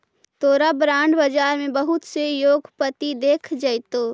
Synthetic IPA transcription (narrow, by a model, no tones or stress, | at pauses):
t̪oːɾabɾãːɳɖbɐd͡ʒaːɾmẽbɐɦʊt̪sejoːɡpət̪id̪eːkʰd͡ʒɐjt̪oː